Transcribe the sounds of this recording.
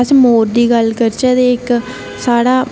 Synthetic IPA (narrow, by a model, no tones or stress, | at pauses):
əsmoːɾd̪iːɡəlkəɾt͡ʃəd̪eːɪk | saːɽaː